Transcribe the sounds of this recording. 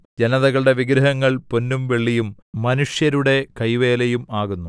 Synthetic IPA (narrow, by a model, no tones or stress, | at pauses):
d͡ʑenɐðɐɣɐɭɽe̞ʋiɡɾɐɦɐŋːɐɭpo̞nːumʋe̞ɭːijumː | ɐnuʂjɐɾuɽe̞kɐjʋe̞ːlejumaːɣunːu